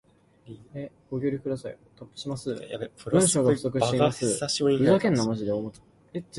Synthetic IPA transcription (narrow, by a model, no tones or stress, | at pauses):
eɡ̥o̞ɡʲoɾʲikɯ̟d̪asaḭ | t̪opːɯ̟̥ɕimasɨbɯ̟̃ɰɕoːɡasɯ̥zokɯ̟ɕiteimasɨbɯ̟zakẽnːamaʑid̪eomot̪ː | e